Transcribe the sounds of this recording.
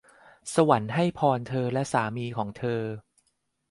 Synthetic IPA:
sa˧wa˩˦nɦa˥˩jpʰɔː˧nt̪ʰɤː˧lɛ˦˥ʔsaː˩˦miː˧kʰɔː˩˦ŋt̪ʰɤː˧

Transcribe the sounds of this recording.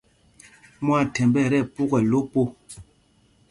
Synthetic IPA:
mwa˦˨tɛ˨mbɛ˦˨ɾɛ˦˨pu˦kɛ˨lo˦po˦

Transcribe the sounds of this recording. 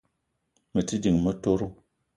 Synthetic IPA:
mə˨ti˦di˨ŋmə˦to˦ɾu˦

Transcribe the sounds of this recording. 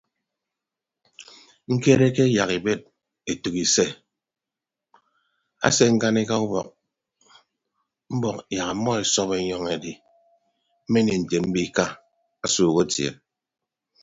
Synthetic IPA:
ŋ̩˦ke˦ɾe˦ke˦ja˨ki˨be˦t̚ | e˨tu˨ki˨se˦ | a̰˦se˦ŋ̩˦ka˦ne˦ka˦u˦bɔ̰˨k̚ | m̩˦bɔ˨kja˨ka˨˦mːɔ˦e˨sɔ˦pe˨ɲɔ˦ŋe˨di˨ | m̩˦me˦ni˨n̩˨te˨m̩˦bi˦ka˦ | a˦suː˨ɣo˦tjḛ˨

